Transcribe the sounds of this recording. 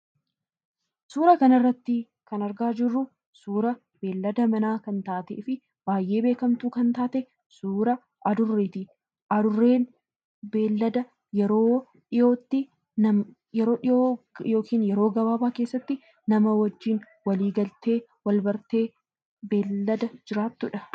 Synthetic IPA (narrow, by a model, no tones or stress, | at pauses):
suːɾɐkɐnɪrːɐt̪ːɪ | kɐnɐɾɡaːd͡ʒɪrːʊ | suːɾɐ | be̞ːlːɐd̪ɐmɐnaːkɐnt̪aːt̪efɪ | b̥aːjʔe̞ːbeːkɐmt̪uːkɐnt̪aːt̪ɛ | suːɾɐ | ɐd̪ʊrːeːt̪ɪ | ɐd̪ʊrːeːn | be̞ːlːɐd̪ɐ | jɛɾo̞ː | ᶑɪjo̞ːt̪ːɪ | ɐ | jɛɾo̞ːᶑɪojo̞ːkiːnjɛɾo̞ːɡɐbaːbaːkeːsːɐt̪ːɪ | nɐmɐwɐd͡ʒːɪn | wɐliːɡɐlt̪e̞ːwɐlbɐɾt̪e̞ː | be̞ːlːɐd̪ɐd͡ʒɪɾaːt̪ːʊᶑɐ